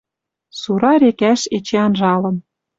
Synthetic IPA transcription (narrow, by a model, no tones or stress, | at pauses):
suɾɑɾekæʃet͡ɕeɑnʒɑlɤ̆n